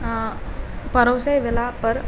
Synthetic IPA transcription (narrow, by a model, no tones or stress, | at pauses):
pəɾəwsəjʋelapəɾ